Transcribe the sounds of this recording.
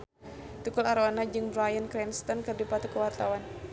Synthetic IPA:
t̪ukulaɾanad͡ʒɨŋbɾajənkɾɛnst̪ɔnkɨrdipat̪ukəlwart̪awan

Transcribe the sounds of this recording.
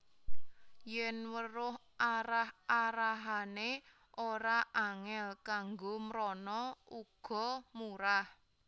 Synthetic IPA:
jɛnwəɾʊɦ | ʔaɾahaɾaɦane | ʔoɾaʔaŋɛlkaŋɡomɾɔnɔuɡ̥ɔ̤muɾah

